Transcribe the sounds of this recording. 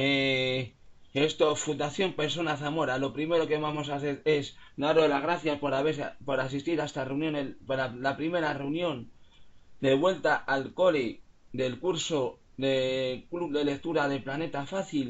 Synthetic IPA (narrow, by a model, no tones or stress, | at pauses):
e | e̞st̪o̞fund̪aθjo̞mpe̞ɾs̬o̞naθamo̞ɾalo̞pɾime̞ɾo̞keβamo̞saθeɾe̞sd̪aɾolazɣɾaθjaspoɾaβepo̞ɾasist̪iɾaest̪areunjõ̞nepɾalapɾime̞ɾareunjõ̞n | d̪e̞βwe̞lt̪aʔalko̞le | d̪e̞lkuɾso̞ | ðekluβðe̞lek̚t̪uɾaðe̞plane̞t̪afaθil